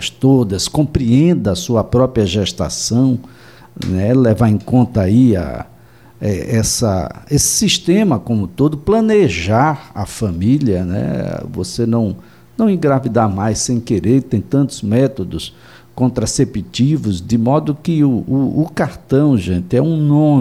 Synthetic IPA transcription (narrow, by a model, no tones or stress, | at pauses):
ɐst̪od̪ɐskõpɾiẽnd̪ɐsuɐpɾɔpɾiɐʒɛʃt̪a̰sɐ̃w̃ | nɛlɛvaẽkõnt̪ɐaia̰ | ɛɛsɐ̰esɪ̥siʃt̪ẽmɐkõmʊt̪od̪ʊplɐ̃neʒaɾa̰fɐ̃miliɐnɛ̰vo̰senɐ̃w̃ | nɐ̃w̃ĩɡɾavid̪aɾmajsẽj̃keɾet̪ẽj̃t̪ɐ̃nt̪ʊzmɛt̪od̪ʊs | kõnt̪ɾasepit̪ivʊzd̪ɪmɔd̪ʊkɪʊʊːkaɾt̪ɐ̃w̃ʒẽnt̪ɪɛũnõ